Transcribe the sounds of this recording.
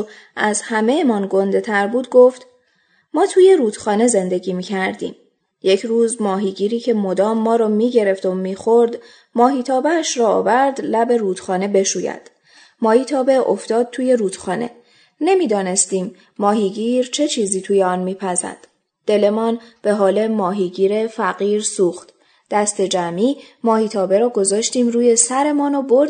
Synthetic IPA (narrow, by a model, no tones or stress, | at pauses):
æzhæmejemɒnɡo̞nd̪e̞t̪ʰæɾbuːd̪ɡo̞ft̪ | mɒːt̪ʰuːje̞ɾuːd̪xɒːne̞ze̞nd̪e̞ɟiːmiːcʰæɾd̪ḭːm | je̞cʰruːzmɒːɦiɟiːɾiːcʰe̞mo̞d̪ɒːmːɒːɾɒːmiːɟe̞ɾe̞ft̪omiːxoɾd̪ | mɒːɦiːt̪ʰɒːbeæʃɾɒ̰ːvæɾd̪læbe̞ruːt̪xɒːne̞be̞ʃuːjæ̰d̪̥ | mɒːhiːt̪ʰɒːbe̞ʔo̰ft̪ɒːd̪̚t̪ʰuːje̞ɾuːd̪̥xɒːne̞̰ | ne̞miːd̪ɒːne̞st̪iːmː | ɒːɦiːɟiːɾt͡ʃʰe̞t͡ʃʰiːziːt̪ʰuːjeɒːnmiːpʰæzæ̰nd̪̥ | d̪̥e̞le̞mɒːnb̥e̞ɦɒːlemɒːɦiːɟiːɾe̞fæɣiːɾsuːxt̪ | d̪̥æst̪e̞d͡ʒæmiːmɒːhiːt̪ʰɒːbe̞ɾɒːɡo̞zɒːʃt̪iːmruːje̞sæɾe̞mɒːnoboɾd̪